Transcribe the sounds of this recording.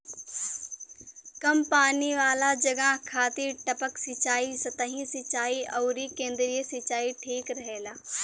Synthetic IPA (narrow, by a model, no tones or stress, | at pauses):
kɐmpaːniʋaːlad͡ʒɐɡakʰaːt̪iʈɐpəksɪt͡ʃaːisɐt̪ɐɦĩsɪt͡ʃaːiɔːɾikẽːnd̪ɾiesɪt͡ʃaːiʈʰiːkɾɐɦeːlaː